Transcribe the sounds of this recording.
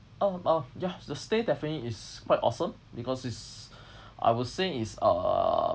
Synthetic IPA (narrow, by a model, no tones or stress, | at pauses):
ʔaajadəstedɛfəniiskwaɪtɔ̰sə̃m | bikɔsis | ʔa̰jwɔseisʌ̰